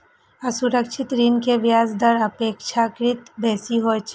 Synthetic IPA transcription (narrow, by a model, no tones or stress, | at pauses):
ɐsʊɾəkʃʰɪt̪ɾinkeʋjaːzd̪ɐɾɐpeːkʃʰakɾɪt̪bɛːsiɦot͡ʃʰ